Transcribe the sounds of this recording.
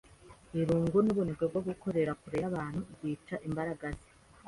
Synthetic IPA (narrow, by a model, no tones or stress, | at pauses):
iɾuːŋɡunuβunebɡebɡoɡuko̞ɾe̞ɾakuɾeβaːn̥huɡwiːt͡ʃaʔimbaɾaɡazi̥